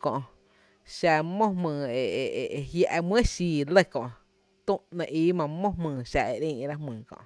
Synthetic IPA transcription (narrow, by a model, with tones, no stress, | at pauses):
kɔ̃˧˨ʔ | ʃa˧mõ˦hmɨ̃ː˨e˨˧hja˧ʔmwə̃˦ʃiː˧˨lə˦˧kɔ̃˧ʔ | t̪ũ˦ʔnẽ˧ʔiː˦mã˧˨mõ˦hmɨ̃ː˨ʃa˧˨e˧˨ɾĩ˦ʔɾa˦hmɨ̃ː˨kɔ̰̃˧˨ʔ